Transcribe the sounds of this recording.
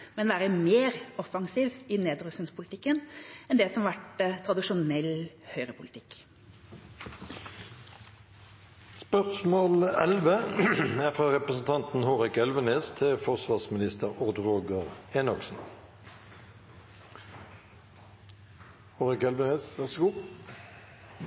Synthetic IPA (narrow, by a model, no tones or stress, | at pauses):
mɛnʋæːɾəmeːɾɔfɑŋsiːʋɪneːd̪ɾʉsnɪŋspʰʊlt̪ɪkːənɛnd̪ɛsɔmɑʋæʈt̪ʰɾɑd̪ɪʃʊnɛlhœʏʁəpʰʊlt̪ʰɪk | spœʁsmoːlɛlʋeːæːfʁɑːʁɛpʁəsn̩t̪ʰɑnt̪n̩hoːʁɪkɛlʋəneːst̪ʰɪfɔʁsʋɑːʁsmɪnɪst̪əʁʊʁd̪ʁoːɡəʁeːnɑksn̩ | hoːʁɪkɛlʋəneːsʋæʁsɡuː